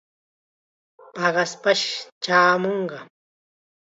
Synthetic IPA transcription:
pɑɢɑspaʃt͡ʃaːmoɴɢɑ

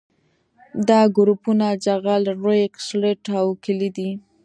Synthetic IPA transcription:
d̪ɑɡʊɾupunad͡ʒaɣalɾojksleʈawkɪlid̪i

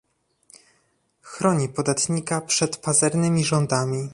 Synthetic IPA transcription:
xɾɔɲipɔd̪at̪ɲikapʂɛt̪pazɛɾnɘmʲiʐɔnd̪amʲi

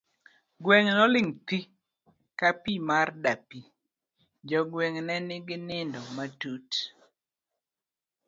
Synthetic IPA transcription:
ɡwɛŋnɔlɪŋt̪i | kapimardapi | d͡ʒɔɡwɛŋnɛnɪɡɪnɪndɔmatut

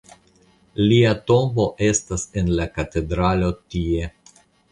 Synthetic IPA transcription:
liato̞mbo̞ʔe̞stase̞nlakate̞dɾalo̞tie̞

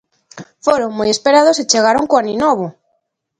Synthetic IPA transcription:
foɾoŋmojespeɾaðoset͡ʃeɣaɾoŋkoaninɔβo

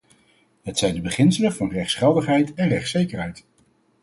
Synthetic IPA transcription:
ɦətsɛjndəbəχɪnsələvɑnrɛχtsχɛlˠdəχɦɛjtɛnrɛχtsejkəɹɦɛjt

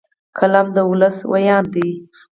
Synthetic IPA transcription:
kʰalamd̪əʊləswajɑnd̪i

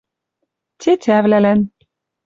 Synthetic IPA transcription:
t̪ʰʲet̪ʲʰævlælæn

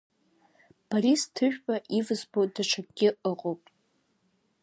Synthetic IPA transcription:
b̥aɾistʰɨʒᶣpʼaʔivɨzbodaʈ͡ʂʰak̚ʼɡʲɪʔəqʼowpʼ

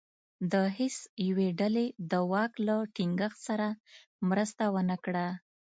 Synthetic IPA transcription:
d̪əɦɪsjaweɖaled̪əwɑklaʈiŋɡəxt̪saɾa | mɾəst̪awənəkɽa

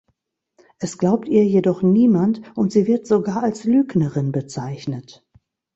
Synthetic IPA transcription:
ʔɛsɡ̥laʊp̚tʔiːɐjedɔχniːmantʔʊntz̥iːvɪɐtz̥oɡaːɐalslyːknəʁɪnbət͡saɪçnət

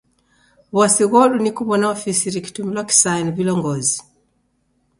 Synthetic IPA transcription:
βwasiɣɔlunikuβɔnaɔfisiɾiki̥tumilwaki̥sainvilɔŋɡɔzi

